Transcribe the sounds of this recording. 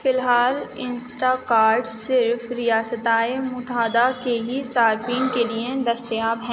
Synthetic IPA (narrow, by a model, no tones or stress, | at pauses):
fɪlɦaːlɪ̃nsʈakaːɾɖsɪɾfɾijaːsət̪aːemʊt̪aːd̪akeɦisaːɾfĩːŋkelied̪ɐst̪jaːbɦɛ̃ː